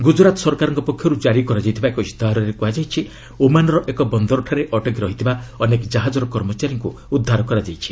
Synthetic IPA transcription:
ɡud͡ʒɾat̪ɔsɔɾkaɾɔŋkɔpɔkʰjɔɾud͡ʒaɾikɔɾad͡ʒajt̪ʰibaekɔist̪aɦɾɔɾekuɦad͡ʒajt͡ʃʰi | omanɔɾɔʔekɔbɔnd̪ɔɾɔʈʰaɾeʔɔʈɔkɾɔɦit̪ʰibaɔnekɔd͡ʒaɦad͡ʒɔɾɔkɔɾmɔt͡ʃaɾjɔŋku | ud̪ʱːaɾɔkɔɾad͡ʒajt͡ʃʰi̥

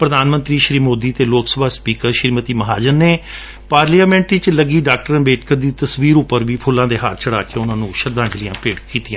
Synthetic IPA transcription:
pɾəd̪aːnmə̃nt̪ɾiːʃɾiːmoːd̪iːt̪eːloːksəbʱaːspiːkəɾʃɪɾmət̪iːməɦaːd͡ʒənːeː | paːɾliaːmɛ̃ːɳʈɾit͡ʃləɡiːɖaːk̚ʈəɾənbeːʈ̚ʰkəɾd̪iːt̪əsʋiːɾʊpːəɾʋiːpʰʊlːãːd̪eːɦaːɾt͡ʃəɽaːkeːʊnãːnũːʃəɾd̪ãːd͡ʒlɪjãːpeːɽkiːt̪ɪjãː

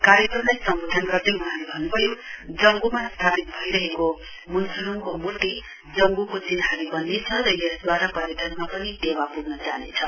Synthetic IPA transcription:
kaɾjʌkrʌmlajsʌmbod̪ʱʌnɡʌrd̪euɦalebʱʌnupʌjod͡zʌŋɡumast̪ʰapit̪̚bʱʌiɾʌɦeko | munsuɾuŋkomuʈːi | d͡zʌŋɡukot͡sinɦaɾibʌnːet͡sʰʌɾʌjesd̪waɾapʌɾjeʈʌnmapʌnid̪ewapuɡnʌt͡saɦinet͡sʰʌ

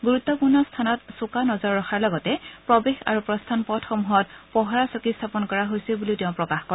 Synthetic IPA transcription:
ɡuɹutːɔpuɹnɔstʰanɔtsukanɔzɔɹːɔxaɹlɔɡɔtɛpɹɔbexa̰ɹupɹɔstʰanpɔtxɔmuɦɔtpɔɦaɹasokistʰapɔnkɔɹaɦojsilbuliʊtɛʊ̃pɹɔkaxkɔɹ

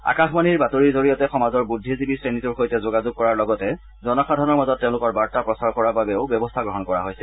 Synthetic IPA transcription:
a̰kaxmaniɹbatoɹiɹzoɹijɔtɛxɔmazɔɹbudʱːizibisɹenituɹxojtɛzoɡazuɡ̚kɔɹaɹlɔɡɔtɛ | zɔnɔxadʱɔnɔɹmazɔtːẽʊ̃lʊkɔɹbaɹtapɹɔsaɹkɔɹababɛʊbjɔbɔstʰaɡɹɔɦɔnkɔɹa̰ɦojsɛ

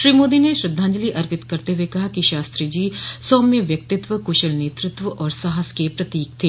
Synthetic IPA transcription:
ʃɾiːmoːd̪ineʃɾɪd̪ʱːãːɲd͡ʒəliʔɐɾpɪt̪kɐɾt̪eʋekɐɦakiʃaːst̪ɾid͡ʒiːsɔːmẽʋjɐk̚t̪ɪt̪ʋəkʊʃəlneːt̪ɾɪt̪ʋəʔɔːɾsaɦəskepɾɐt̪iːk̚t̪ʰeː

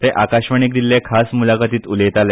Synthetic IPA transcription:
t̪eʔakaɕʋəɳ̃ik̚d̪ilːekʰasmulaɡat̪iːt̪ulet̪ale

